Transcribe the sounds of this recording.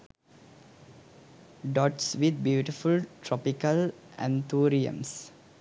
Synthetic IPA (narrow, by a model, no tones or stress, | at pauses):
ɖɔʈsʋid̪̚bjuːʈifulʈɾɔpikəlæ̰̃nt̪ʰuːɾiə̰̃ms